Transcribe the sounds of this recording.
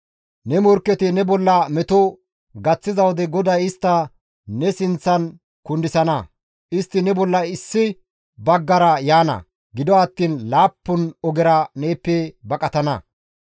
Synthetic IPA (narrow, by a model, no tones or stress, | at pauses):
nɛmɔɾkːɛt̪ɪnɛbɔlːɐmɛt̪ɔ | ɡɐt͡sːɪzɐwɔd̪ɛɡɔd̪ɐjɪst̪ːɐ | nɛsɪnt͡sːɐn | kʊnd̪ɪsɐnɐ | ʔɪst̪ːɪnɛbɔlːɐɪsːɪ | bɐɡːɐɾɐjaːnɐ̰ | ɡɪd̪ɔɐt̪ːiːnlaːpːʊnɔɡɛɾɐneːpːɛbɐkʼɐt̪ɐnɐ̰